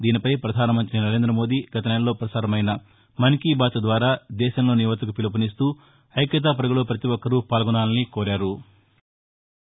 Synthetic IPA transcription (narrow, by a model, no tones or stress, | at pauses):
d̪iːnipɐjpɾɐd̪ʱaːnɐmɐnt̪ɾinɐɾe̞ːnd̪ɾɐmoːd̪iɡɐt̪ɐneːnlo̞ːpɾɐsaːɾɐmɐjnɐ | mɐnikiːbaːtɐd̪ʋaːɾaːd̪ɛːʃɐmlo̞ːniʋɐt̪ɐkupilɐp̬ɐnist̪uː | ɐjkjɐt̪̬aːp̬ɐɾɐɡɐloːpɾɐt̪iʋɔkːɐɾupaːlɡɔnaːlnikoːɾaːɾu